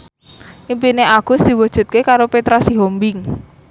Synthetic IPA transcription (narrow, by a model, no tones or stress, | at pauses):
ʔimpineaɡ̥ʊ̤sd̪̥i̤wəd̥ʒ̥ṳt̪̚kekaɾopet̪ɾasiɦombɪŋ